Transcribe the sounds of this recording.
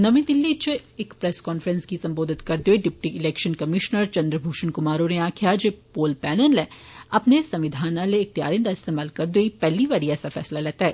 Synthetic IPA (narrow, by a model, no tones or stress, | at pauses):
nɐmĩd̪ɪlːit͡ʃɪkpɾɛskɔːnfəɾə̃nskisɐ̃mboːd̪ʱɪt̪kɐɾd̪joiɖɪpʈiɪlɛːkʃənkɐmɪʃnəɾt͡ʃɐ̃nd̪ɾəbʱuːʃənkʊmaːɾoneaːkʰijad͡ʒepoːlpɛːnənlɛ | ɐpnesɐ̃mʋɪd̪ʱaːnaleːk̚t̪ja̰ːɾɪ̃nd̪aɪst̪eːmaːlkɐɾd̪oipɛːliʋaːɾiɛːsafɛ̰ːslalɛːt̪aɦɛː